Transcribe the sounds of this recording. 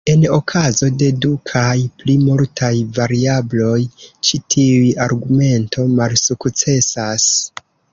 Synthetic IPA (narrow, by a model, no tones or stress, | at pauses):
e̞no̞kʰazo̞de̞dukʰajplimuɾtʰajvaɾiablo̞jt͡ʃitʰiujaɾɡume̞ntʰo̞malsukt͡se̞sas